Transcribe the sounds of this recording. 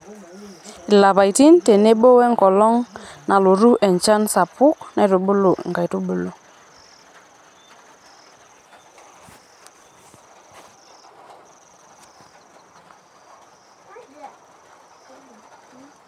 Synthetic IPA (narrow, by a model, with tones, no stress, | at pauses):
ɪ˨la˨pa˨jti˦nte˨ne˦ɓo˦wɛ˦ŋkɔ˨lɔ˦ŋna˨lo˨ɾu˦ʔɛ˨ɲt͡ʃa˦nsa˨pʊ˦knɛ˦˨to˨bo˦lo˨ʔŋɡa˨jto˦bo˨lo˦